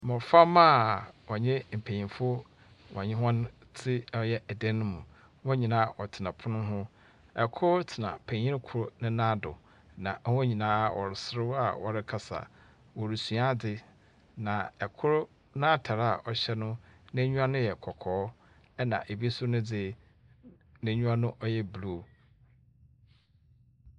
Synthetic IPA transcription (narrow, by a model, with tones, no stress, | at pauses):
mʊ̃˨fa˦mã˦wɔ˨ɲɪ̃˦m̩˨pʰe˨ĩ˨mfʊ˦ | wɔ̰̃˨ɲɪ̃˦ɦɔ̃˦n˦t͡sʰɪ˦jɛ˦æ˨dɛ̃˦nʊ̃˦mũ˨ | wɔ̃˦ɲĩ˨nãː˦ʔɔ˨tʰɪ˨nã˨pʰʊ˦nʊ̃˦ɦʊ̃˦ | ɛ˨kʰʊ˦ɾtʰɪ˨nã̰˨pʰæ̃˨ɲĩ˦n˦kʰʊ˦ɾʊ˦nʊ̃˦nã˦dʊ̰˨ | nã˨˦hɲĩ˨nãː˨˦wɔ̰˨ɾɪ˨sɾɪ˦a̰˦˨wɔ̰˨ɾɪ˦kʰa˨sa̰˨ | wɔ˨ɾi˨su˨a˦dɪ˦ | nã˨ɛ˨kʰʊ˦ɾʊ˦ | nã˦a˦tʰa˨ɾa˨ʔɔ˨ɕɛ˦nʊ̃˦nã˦ɲũ˦a˦nʊ̃˦jɛ˨kʰɔ˨kʰɔː˨˦ | ɛ˦nã̰˨ʔe˨bi˦sʊ˦nʊ̃˦d͡zɪ˦ | nɪ̃˨ɲũ˦ã˦nʊ̃˦ʔɔ˦jɛ˦blu˦˨